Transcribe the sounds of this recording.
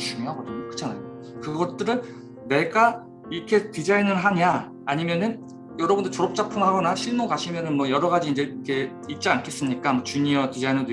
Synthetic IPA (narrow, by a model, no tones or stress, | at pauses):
t͡ɕuŋoɦaɡʌdɯɲʌkɯ̥t͡ɕʰanajo | kɯɡʌt̚t͈ɯɾɯnː | e̞ɡa | ikʰe̞tid͡ʑainɯɾɦaɲaː | ɲimjʌnɯn | jʌɾʌbundɯɭt͡ɕʌɾop̚t͡ɕ͈apʰɯnɦaɡʌnaɕʰiɭmukaɕʰimjʌnɯnmwʌjʌɾʌɡad͡ʑiːnd͡ʑe̞ikʰe̞ | it̚t͡ɕ͈iankʰe̞s͈ɯmɲik͈amʌt͡ɕuɲiʌtid͡ʑainʌd